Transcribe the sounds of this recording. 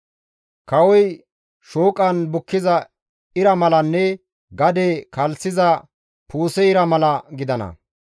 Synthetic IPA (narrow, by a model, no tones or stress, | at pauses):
kɐwɔj | ʃoːkʼɐnbʊkːɪzɐ | ɪɾɐmɐlɐnːɛ | ɡɐd̪ekɐlsɪzɐ | puːsɛɪɾɐmɐlɐɡɪd̪ɐnɐ̰